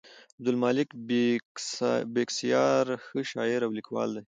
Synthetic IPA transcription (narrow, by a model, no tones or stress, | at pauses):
ab̚d̪ʊlmɑlɪkb | beksijɑɾxəʃɑɪɾawlikwɑ̰ld̪ej